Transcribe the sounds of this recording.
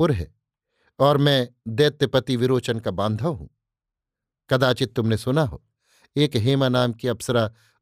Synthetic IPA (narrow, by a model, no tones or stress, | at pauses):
ʊɾɦɛ̰ː | ɔːɾmɛ̃ːd̪eːt̪ːəpɐt̪iʋɪɾoːt͡ʃənkabãːnd̪ʱaɦṵ̃ː | kɐd̪aːt͡ʃɪt̪ːʊmnesʊnaɦo̰ː | eːkɦeːmanaːmkiɐpsəɾa